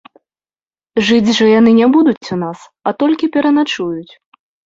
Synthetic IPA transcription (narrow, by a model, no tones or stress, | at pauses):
ʐɨd͡zʲʐɐjanɨnʲɛbud̪ut͡sʲunas | ɐt̪ɔlʲkʲipʲɛɾɐnat͡ʂujut͡sʲ